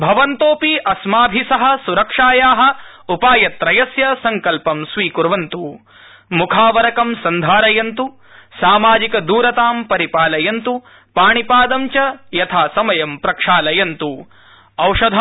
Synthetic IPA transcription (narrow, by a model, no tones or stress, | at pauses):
bʱɐʋɐnt̪oːpiʔɐsmaːbʱisɐɦɐ̆suɾɐkʂaːjaːɦɐ̆ | upaːjɐt̪ɾɐjɐsjɐsɐŋkɐlpɐmsʋiːkuɾʋɐnt̪u | mukʰaːʋɐɾɐkɐmsɐnd̪ʱaːɾɐjɐnt̪u | saːmaːd͡ʒikɐd̪uːɾɐt̪aːmpɐɾipaːlɐjɐnt̪u | paːɳipaːd̪ɐmt͡ʃɐjɐt̪ʰaːsɐmɐjɐmpɾɐkʂaːlɐjɐnt̪u | ɐwʂɐd̪ʱɐ